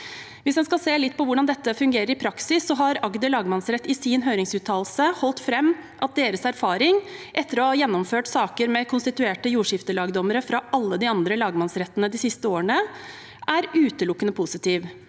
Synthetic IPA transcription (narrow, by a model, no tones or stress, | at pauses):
ʋɪsd̪ɛnskɑlseːlɪt̪ːpʰɔʋʊɖɑnd̪ɛt̪ːəfʉŋɡeːɾəɾɪpʰɾɑksɪsːɔɦɑɾɑɡd̪əɭɑːɡmɑnsɾɛt̪ːɪsɪnɦøːɾɪŋsʉːt̪ʰɑːl̩səhɔlt̪fɾɛmːʔɑt̪̚d̪eːɾəsæɾfɑːɾɪŋʔɛt̪ʰːəɾɔhɑjɛnːɔmføːʈsɑːkəɾmɛkʰʊnst̪ɪt̪ʉeːʈəjuːʂɪft̪əlɑːɡd̪ɔməɾəfɾɑʔɑlːəd̪ɪɑnd̪ɾəlɑːɡmɑnsɾɛt̪ːənəd̪ɪsɪst̪əoːɾəɳə | ʔæɾʉːt̪əlʊkːənəpʰʊsɪt̪ʰiːʋ